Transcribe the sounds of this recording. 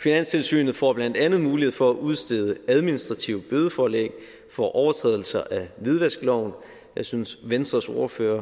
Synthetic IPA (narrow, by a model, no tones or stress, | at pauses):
finæn̰st͡sʰe̝lsy̰ːnð̞̩ˠfɒ̰ːb̥lænd̥ænð̞̩ˠmuːliheð̰ˠfɒ̽æʔuð̞ˠsd̥e̝ð̞ˠəæð̞ˠminisd̥ʁɑ̈t͡sʰiʊb̥øðˠəfɒːlḛɡ̥ | fɒʔɒʊɐt͡sʰʁɛ̰ːðˠl̩sɐʔæʋið̞ˠʋæsɡ̥lɒʊn | jɑ̈ɪsynsʋensd̥ʁɐso̝ɐfø̰ːɐ